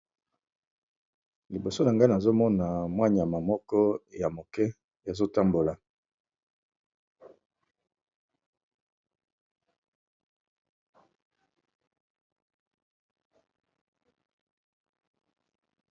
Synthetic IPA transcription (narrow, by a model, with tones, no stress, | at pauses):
li˨bo˨so˦na˨ŋɡa˦na˨zo˦mɔ˦na˨mwa˦ɲ˨ja˨ma˨mɔ˦kɔ˦ja˨mo˨kɛ˦ | ja˨zo˦ta˦mbo˨la˨